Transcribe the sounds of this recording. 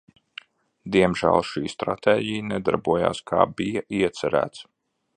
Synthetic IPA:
d̪iɛmʒæ̰ːlˠʃiːst̪ɾa̰t̪eːɟijnɛd̪a̰ɾbuɔja̰ːskʰaːbijaiɛt̪sæɾæ̰ːt̪s

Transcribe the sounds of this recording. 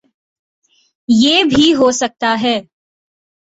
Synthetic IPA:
jeːbʱiɦoːsɐk̚t̪aɦɛː

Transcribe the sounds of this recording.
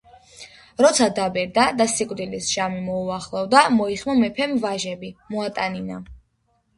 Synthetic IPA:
ɾɔt̪sʰad̪abɛɾd̪ad̪asikʼd̪ilisʒ̥amimɔuaχlˠɔvd̪amɔiχmɔmɛpʰɛmvaʒɛbimɔat̪ʼanina

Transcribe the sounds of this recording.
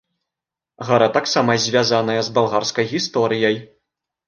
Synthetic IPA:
ɣɐɾat̪aksamɐzʲvʲazanɐjɐzbalˠɣarskɐjɣʲist̪ɔɾɨjɐj

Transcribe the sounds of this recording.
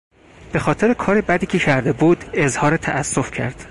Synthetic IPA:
b̥e̞xɒːt̪ʰe̞ɾekʰɒːɾebæd̪iːcʰecʰæɾd̪e̞buːd̪e̞zhɒːɾet̪ʰæʔæsːofcʰæ̰ɾd̪̥

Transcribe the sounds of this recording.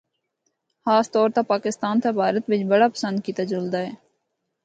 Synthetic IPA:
xaːst̪ɔːɾt̪apaːkɪst̪aːnt̪ʰabʱaːɾət̪bɪt͡ʃbəɽaːpə̥sə̃nd̪̚kit̪ad͡ʒʊld̪aːɦɛː

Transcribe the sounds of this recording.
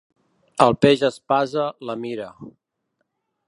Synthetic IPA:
əlˠpeʒəspazələmiɾə

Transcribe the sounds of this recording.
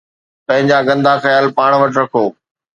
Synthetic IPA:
pɐ̃ɦɪ̃ɲd͡ʑaɡɐ̃nd̪ʱaxɐjaːlpaːɽ̃ʋɐʈɾɐkʰoː

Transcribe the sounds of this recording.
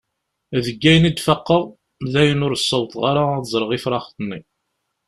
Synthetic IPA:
ðəɡːæjənid̪fəqːəʁ | ðæjənʊɾsˤːəwt̪ˤʁaɾazˤɾˤəʁifɾˤɑχt̪ˤənːi

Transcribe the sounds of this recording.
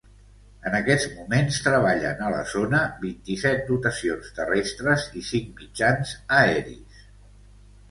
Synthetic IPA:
ənəkɛd͡zmumenst̪ɾəβ̞aʎə̰nələ̰zonəβint̪isɛt̪̚d̪ut̪əsionst̪ərɛst̪ɾəzisiŋmid͡ʒanzəɛɾḭs

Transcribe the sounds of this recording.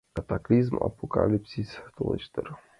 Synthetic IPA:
kat̪aklʲizma̰poka̰lʲipsʲisʲt̪oʃt̪ɛɾ

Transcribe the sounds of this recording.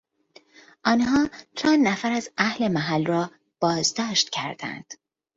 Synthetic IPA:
ʔɒːnhɒːt͡ʃʰæːnnæfæɾæzæhle̞mæɦælrɒː | b̥ɒːzd̪ɒːʃt̪cʰæɾd̪æ̰nd̪̥

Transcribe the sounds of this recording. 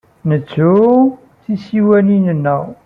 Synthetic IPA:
nət͡sːu | θisiwæninənːə

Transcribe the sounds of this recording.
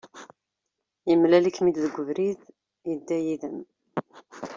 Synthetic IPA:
jəmlælikːmid̪ðəɡʷːəvɾið | jəd̪ːæjiðəm

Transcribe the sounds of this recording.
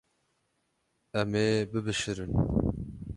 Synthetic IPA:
ɛmeːbɨbɨʃɨɾɨn

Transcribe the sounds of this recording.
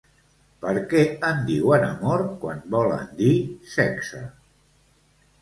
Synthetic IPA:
pəɾkɛənd̪iwənəmɔɾkwanbɔlə̰nd̪isɛksə

